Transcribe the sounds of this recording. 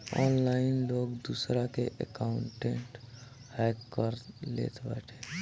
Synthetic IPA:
ɔːnlaːɪnloːɡd̪uːsɾakeʔə̰kaʊ̃ɳʈẽɳʈ | hɛːkkəɾlḛːt̪bɛ̰ːʈʰe̥ː

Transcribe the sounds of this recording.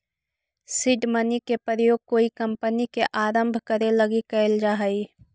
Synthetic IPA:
sɪɖmənikepɾəjoːɡ̚koːikəmpənikeʔaːɾə̃mbʱkəɾeləɡikɛld͡ʒaːɦəi

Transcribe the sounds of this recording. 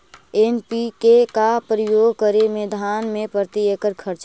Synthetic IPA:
enpikekapɾəjoːɡ̚ʱkəɾemed̪ʱanmẽpəɾt̪iekəɾkʰəɾt͡ʃ

